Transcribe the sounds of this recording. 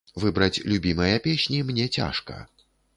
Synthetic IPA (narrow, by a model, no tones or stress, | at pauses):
vɨbɾɐt͡sʲlʲubʲimɐjɐpʲɛɕʲnʲimnʲɛt͡sʲa̰ʂkɐ̰